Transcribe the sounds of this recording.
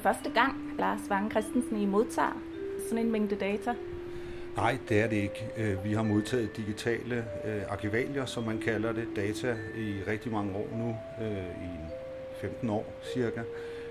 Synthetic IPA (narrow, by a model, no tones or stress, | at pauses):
fɶɐsd̥əɡ̥ɑ̈ŋ̰ | lɑ̈ːsʋɑ̈ŋkʰʁɛsd̥n̩sn̩imo̝ð̞ˠt͡sʰɑ̰̈ː | sɒ̽ne̝nmeŋ̰d̥əd̥ɛːt͡sʰæ | nɑ̈ɪ̰d̥e̝æɐɾe̝e̝ɡ̥ | øʋiɦɑ̈mo̝ð̞ˠt͡sʰɛ̰ːð̩ˠd̥iɡ̥it͡sʰɛ̰ːlə | ɑ̈kʰiʋɛ̰ːljɐsɒ̽mːænkʰælɐɾe̝d̥ɛːt͡sʰæ | iʁɛɡ̥̚d̥imɑ̈ŋəɒ̰ːnu | ø | i | femd̥n̩ɒ̰ː | siɐɡ̥æ